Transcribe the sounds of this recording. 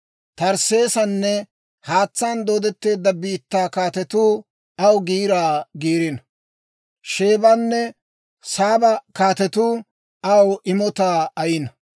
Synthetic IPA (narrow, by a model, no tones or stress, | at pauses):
t̪ɐɾse̞ːsɐnːɛ | haːt͡sːaːnd̪oːd̪ɛt̪ːe̞ːd̪ːɐbiːt̪ːaːkaːt̪ɛt̪uː | ɐwɡiːɾaːɡiːɾɪnɐ | ʃe̞ːbɐnːɛ | saːbɐkaːt̪ɛt̪uː | ɐwʔɪmɔt̪aːɐjɪnɐ